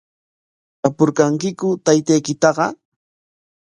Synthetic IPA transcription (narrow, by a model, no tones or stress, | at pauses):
apʊɾkaŋkɪkʊt̪ajt̪ajkɪt̪ɑɢɑ̰